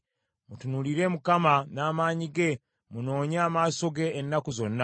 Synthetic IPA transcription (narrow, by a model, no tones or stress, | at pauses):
mutunuliɾe̞ːmukamanaːmaːɲiɡe̞ | muno̞ːɲaːmaːso̞ɡe̞ːnːakuzo̞nːa